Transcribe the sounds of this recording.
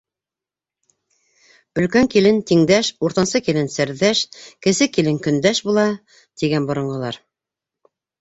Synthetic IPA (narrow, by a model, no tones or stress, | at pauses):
ɵ̆lkæŋkilɘnt̪iŋd̪æʃuɾt̪ɑnsɤkilɘnsɘ̆ɾðæʃkɘ̆sɘkilɘŋkɵ̆nd̪æʃbulˠɑ | t̪iɡænbŏɾɤ̆ɴʁɤ̆lˠɑ̰ɾ